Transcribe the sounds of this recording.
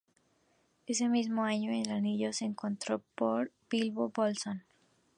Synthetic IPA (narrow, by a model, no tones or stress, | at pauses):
e̞s̬e̞mizmoaɲoelaniʝoseːŋko̞nt̪ɾopoɾb̥ilβobolson